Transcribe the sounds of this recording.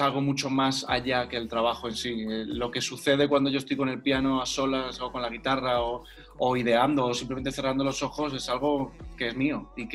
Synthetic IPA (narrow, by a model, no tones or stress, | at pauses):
alɣ̞o̞mut͡ʃo̞masa̰ʎake̞ːlt̪ɾaβaxoe̞nsielo̞ke̞suθe̞ðe̞kwand̪o̞ʝo̞est̪ojko̞ne̞lpjano̞aso̞lasoko̞nlaɣ̞it̪arao | oiðe̞and̪o̞ːsimpleme̞nt̪eθe̞rand̪o̞lo̞so̞xo̞s̬e̞salɣ̞o̞ke̞e̞zmio̞ik